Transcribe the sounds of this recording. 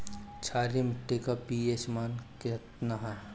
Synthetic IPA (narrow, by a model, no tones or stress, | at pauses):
t͡ʃʰaːɾimɪʈːekapiːeːt͡ʃmaːnkɪt̪naɦɛ